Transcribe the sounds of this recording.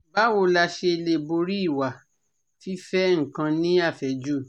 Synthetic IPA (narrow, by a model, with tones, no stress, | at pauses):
ba˨˦wo˧la˧ʃe˧e˧le˧˨bo˧ɾi˦˨wa˨ | fi˦fɛ˦ŋ̩˨kã˧nĩ˦a˦˨fɛ˨d͡ʒu˦